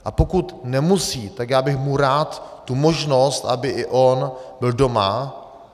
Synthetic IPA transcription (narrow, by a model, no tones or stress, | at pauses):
ʔapo̞kut̪nɛmusiːt̪akjaːbɪxmuɾaːt̪ːumoʒno̞st̪ʔabɪʔɪʔonbɪldo̞ma